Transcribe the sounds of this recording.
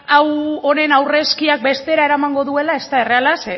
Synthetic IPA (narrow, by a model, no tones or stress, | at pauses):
awone̞nawre̞skiak̚be̞st̪e̞ɾae̞ɾamaŋɡo̞ðue̞lae̞st̪ae̞re̞alase